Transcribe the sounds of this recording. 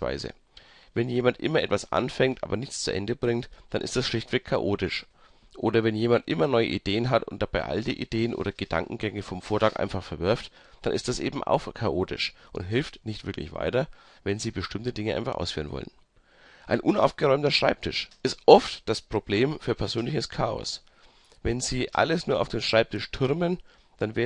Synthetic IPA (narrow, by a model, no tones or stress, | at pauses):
va̰ɪzə̰ | vɛnjeːmantʔɪ̰mɐʔɛtv̥asʔa̰nfɛŋtʔa̰ːbɐnɪçt͡st͡suʔɛ̰ndəbʁɪŋtd̥anʔɪ̰std̥asʃlɪçtv̥ɛkkʰaʔoːtɪʃ | ʔoːdɐvɛnjeːmantʔɪmɐnɔʏə̰ʔid̥eːənɦatʊntd̥ab̥aɪʔa̰ldiʔḭd̥eːənʔo̰ːdɐɡ̥əd̥a̰ŋkŋ̩ɡɛŋəfɔmfoːɐtʰaːkʔa̰ɪnfaχfɛɐvʏɐft | d̥anʔɪstd̥asʔḛːbm̩ʔa̰ʊxkʰaʔoːtɪ̰ʃʔʊntɦɪlftnɪçtv̥ɪɐklɪ̰çv̥a̰ɪtɐ | vɛnziːbəʃtɪmtədɪŋəʔa̰ɪnfa̰χʔa̰ʊsfyːʁ̞ənvɔ̰lən | ʔaɪnʔʊna̰ʊfɡ̥əʁɔʏmtɐʃʁ̥aɪp̚tʰɪʃʔɪstʔɔftd̥aspʁ̥ob̥leːmfyːɐpʰɛɐzøːnlɪçəskʰaːɔ̰s | vɛnziːʔa̰ləsnuːɐaʊfd̥eːmʃʁ̥aɪp̚tʰɪʃtʰʊɐmən | d̥anveː